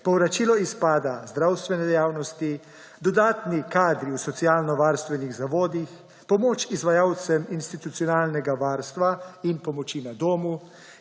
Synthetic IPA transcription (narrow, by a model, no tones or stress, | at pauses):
pɔwɾat͡ʃilɔispaːd̪azd̪ɾaːwst̪ʋɛnɛd̪ɛjaːwnɔst̪i | d̪ɔd̪aːt̪nikaːd̪ɾiwsɔt̪siaːlnɔʋaːɾst̪ʋɛniɣzaʋoːd̪ix | pɔmoːt͡ʃizʋajaːwt̪sɛminst̪it̪ut̪sijɔnaːlnɛɡaʋaːɾst̪ʋainpɔmɔt͡ʃinad̪oːmu